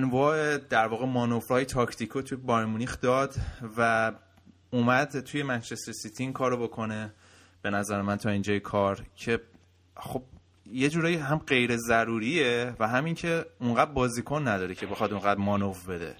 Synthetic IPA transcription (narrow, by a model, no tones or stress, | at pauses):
ænvɒːʔe̞d̪æɾvɒːɣe̞mɒːnovɾɒːjet̪ʰɒːcʰt̪ʰikʰot̪ʰujebɒɾmunixd̪ɒːd̪̥væ | umæd̪̥t̪ʰuje̞mænt͡ʃest̪esit̪ʰiiːŋkʰɒːɾobo̞kʰo̞ne̞ | b̥e̞næzæɾemænt̪ʰɒːiːnd͡ʒɒːjekʰɒːɾcʰe̞ | xo̞b̥̚ | je̞d͡ʒuːɾɒːjiɦæmɢe̞jɾe̞zæɾuːɾievæɦæmiŋcʰe̞uŋɢæd̪̚bɒːzikʰonːæd̪ɒːɾecʰe̞bexɒd̪uŋɡæd̪mɒːnovbe̞d̪ḛ